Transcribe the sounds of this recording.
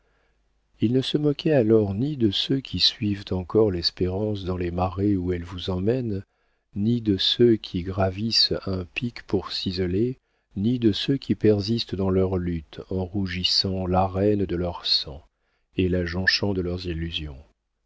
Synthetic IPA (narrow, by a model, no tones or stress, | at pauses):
ilnəsəmɔkɛalɔʁnid̪əsøkʰʲisɥivt̪ɑ̃kɔʁlɛspeʁɑ̃s̬d̪ɑ̃lemaʁeuɛlvuzɑ̃mɛn | nid̪əsøkʲʰiɡʁavisɛ̃pikpuʁsizɔle | nid̪əsøkʰʲipɛʁzist̪əd̪ɑ̃lœʁlyt̪ɑ̃ʁuʒisɑ̃laʁɛnd̪əlœʁsɑ̃ | elaʒɑ̃ʃɑ̃d̪əlœʁzilːyzjɔ̰̃